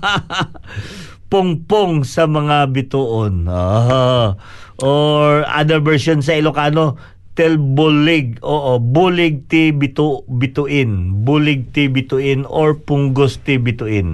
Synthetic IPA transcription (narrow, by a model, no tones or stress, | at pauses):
pʊŋpoŋsɐmɐŋabɪt̪uʔonoɦ | ʔoɹʔa̰d̪ɐɹvɛɹsons̬ɐɪlokaːno | t̪ɛlbʊlɪɡ̚oːʔobuːlɪɡ̚t̪ɪbɪt̪ubɪt̪uʔɪnbuːlɪɡ̚t̪ɪbɪt̪uʔɪnoɹpʊŋɡost̪ɪbɪt̪ʊʔɪn